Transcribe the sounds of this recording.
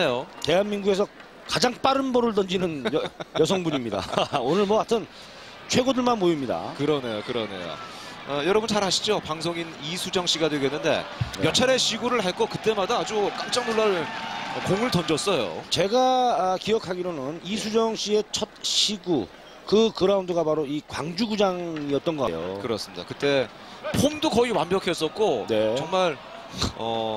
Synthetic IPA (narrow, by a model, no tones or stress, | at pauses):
nejote̞ɦanmiŋɡuɡe̞s̬ʰʌ | kad͡ʑaŋp͈aɾɯnbʌɾɯɭdʌnd͡ʑinɯnjjʌs̬ʰʌŋbuɲimɲida̰onɯɭmwʌkatʰɯn | t͡ɕʰwe̞ɡodɯɭmanmoimɲida̰kɯɾʌne̞jokɯɾʌne̞̰jo̰ | ʌjʌɾʌbunt͡ɕaɾɦaɕʰi̥d͡ʑopaŋsʰoŋinisʰud͡ʑʌŋɕ͈iɡadweɡoenːɯnde̞̰mjʌt͡ɕʰaɾe̞ɕʰiɡuɾɯɭɦaɭk͈ʌkɯt͈e̞madaːd͡ʑuk͈amt͡ɕ͈aŋnoɭːaɾɭʌkoŋɯɭtʌnd͡ʑʌs͈ʌjo̰t͡ɕe̞ɡaakijʌkʰaɡiɾonɯnisʰud͡ʑʌŋɕ͈ie̞t͡ɕʰʌt̚ɕʰiɡu | kɯkɯɾaundɯɡapaɾoikwa̰ŋd͡ʑuɡud͡ʑaŋiʌt̚t͈ʌnɡʌka̰jo̰kɯɾʌs͈ɯmɲid̥a̰kɯt͈e̞ | pʰomdokʌiwambjʌkʰe̞s͈ʌt̚k͈one̞t͡ɕʌŋmaɭ | ʌ